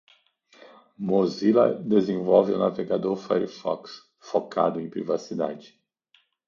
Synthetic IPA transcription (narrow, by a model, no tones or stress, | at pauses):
mozilɐ̰d̪ezẽvɔwvɪunaveɡad̪oɾfɛ̰ɾifɔ̰ks | fokʰa̰d̪ʊẽpɾivasid̪a̰d͡ʒɪ